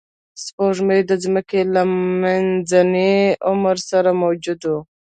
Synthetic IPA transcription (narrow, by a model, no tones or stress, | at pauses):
spoʒməjd̪əzməkelamanzaneʊməɾsaɾamawd͡ʒʊd̪o